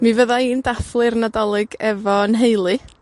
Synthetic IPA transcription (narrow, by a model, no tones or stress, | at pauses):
mivəðaiːndaθlˠɨrnadɔlˠɨɡɛvɔənɦejlˠɨ